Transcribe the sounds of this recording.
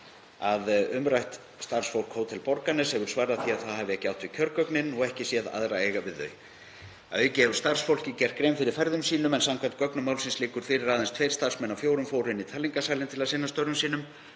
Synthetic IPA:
aðʏmɾajht̪ | st̪ar̥sfowl̥khoːwt̪ʰɛlpɔɾkanːɛsɛɣʏɾ̥svaːɾaθiaðθaðhaːvɪɛhcɪawht̪vɪcʰœɾkœknɪnɔɣɛhcɪsjɛða̰ðɾaejɣavɪðːœ̰ːɥ | aðœːɥcɪɛvʏ̥st̪ar̥sfowl̥cɪcɛr̥t̪̚kɾejmfɪɾɪɾ̥fɛɾðʏmsiːnʏmɛnsamkʰajm̥t̪̚kœknʏmawlsɪnslɪːkʏɾ̥fɪɾɪɾaːðɛnst̪ʰvejɾ̥st̪ar̥smɛnːawfjoːwɾʏmfowɾɪnit̪ʰalːiŋkasaːlɪnt̪ʰɪlaðsɪnːast̪œɾʏmsiːnʏm

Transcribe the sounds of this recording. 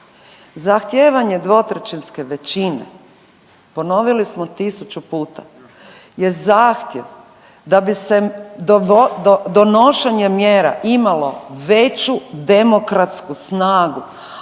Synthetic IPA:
zaxt̪jeːʋaɲe̞d̪ʋo̞t̪ɾet͡ɕinske̞ʋet͡ɕinḛ | po̞no̞ʋilismot̪isut͡ɕupuːt̪a̰ | je̞zaːxt̪je̞ʋ | d̪abised̪d̪od̪o̞noʃeɲemjeːɾa̰ʔimalo̞ʋe̞t͡ɕud̪e̞mo̞kɾat̪skusnaːɡu

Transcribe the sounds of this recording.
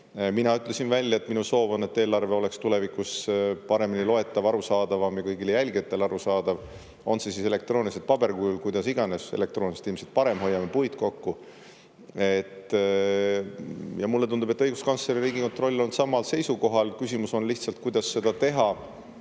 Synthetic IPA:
minɑyt̪ˑle̞sinvælʲjɑet̪minuso̞ːvɑne̞t̪ːe̞ːlɑrve̞o̞le̞kst̪ule̞vikuspɑɾe̞minilo̞e̞t̪ːˑɑvɑɾusɑːd̪̥ɑvɑmjɑkɤjɡilejælʲɡet̪ːˑe̞lɑɾusɑːd̪̥ɑv | o̞̰nse̞sisele̞k̚t̪ro̞ːniliset̪̚pɑb̥e̞rkyulkujd̪̥ɑsiɡ̥ɑne̞sele̞k̚t̪roːnise̥t̪ilmse̥t̪̚pɑɾe̞mɦo̞jːɑme̞pujd̪ko̞kːu | e̞t̪ː | jɑmulːe̞t̪und̪ube̞t̪ːɤjɡ̥uskɑnsleɾiɾiːɡiko̞nt̪ro̞lʲːo̞nt̪sɑmːɑlse̞jsuko̞ɦɑlkysʲimuso̞nliçht̪sɑlt̪̚kujd̪̥ɑsːe̞d̪̥ɑt̪e̞ɦɑ

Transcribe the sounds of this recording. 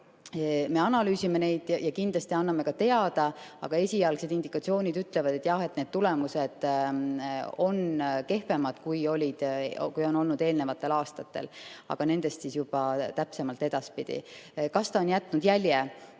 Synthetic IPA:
me̞ɑnɑlyːsime̞ne̞jd̪̥jɑjɑkind̪̥lɑst̪iɑnːɑme̞kɑt̪e̞ɑd̪̥ɑɑ̰ɡ̥ɑe̞sʲijɑlɡse̞d̪ind̪̥ikɑt̪sio̞ːnʲid̪yt̪ːˑle̞vɑd̪̥et̪ːˑjɑhe̞t̪ne̞d̥̪̚t̪ule̞muse̞d̪̥ | o̞nke̞hpe̞mɑd̪̥kujo̞lʲid̪̥kujo̞no̞lnud̪e̞ːlne̞vɑt̪ˑːe̞lɑːst̪ɑt̪ːe̞̰lɑ̰ɡ̥ɑne̞nd̪̥e̞st̪sisjub̥ɑt̪æpse̞mɑlt̪ːˑe̞d̪̥ɑspid̪̥ḭkɑst̪ɑonjæt̪ˑːnud̪jælʲje

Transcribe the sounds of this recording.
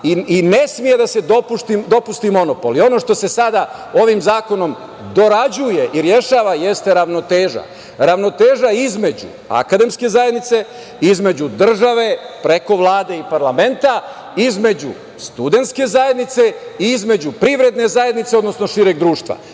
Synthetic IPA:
iine̞smije̞d̪ase̞d̪opuʃt̪imd̪o̞pust̪imo̞no̞polio̞no̞ʃt̪o̞se̞sad̪ao̞ʋimzaːko̞no̞m | d̪o̞ɾad͡ʑuje̞ʔiɾje̞ʃaːʋaje̞st̪e̞ɾaʋno̞t̪eːʒa̰ | ɾaʋno̞t̪eːʒaizme̞d͡ʑṵ | a̰kad̪e̞mske̞zajed̪nit̪se̞ | izme̞d͡ʑud̪r̩ʒaʋe̞pɾe̞ko̞ʋlˠaːd̪e̞ipaɾlame̞nt̪a | izme̞d͡ʑṵ | st̪ud̪e̞nt̪ske̞zaje̞d̪nit̪se̞iizme̞d͡ʑupɾiʋɾe̞d̪ne̞zaje̞d̪nit̪seo̞d̪no̞sno̞ʃiɾeɡ̚d̪ɾuːʃt̪ʋa̰

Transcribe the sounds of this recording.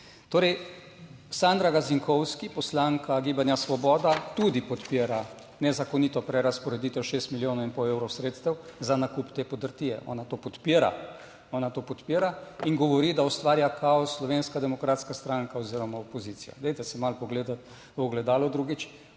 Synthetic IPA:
t̪oːɾɛj | sand̪ɾaɡaziŋkʰɔwskipɔslaŋkʰaɡibanjasʋɔbɔːd̪at̪ud̪ipɔt̪peːɾa | nɛzakɔnit̪ɔpɾɛɾaspɔɾɛd̪it̪ɛwʃest̪miljoːnɔinpɔwewɾɔwsɾeːt̪st̪ɛwzanakupt̪eːpɔd̪əɾt̪iːjɛʔɔ̰ːnat̪oːpɔt̪piːɾa̰ | ɔːnat̪oːpɔt̪piːɾaiŋɡɔʋɔɾid̪aɔst̪ʋaːɾjakʰaɔsːlɔʋeːnskad̪ɛmɔkɾaːt̪skast̪ɾaŋkaɔziɾɔmaopɔzit̪sija̰d̪ɛjt̪ɛsɛmalpɔɡleːd̪at̪ | ɔɡlɛd̪aːlɔd̪ɾuɡit͡ʃ

